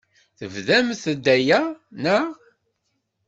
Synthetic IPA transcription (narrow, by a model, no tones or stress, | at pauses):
θəvðæmθəd̪ːæjænæ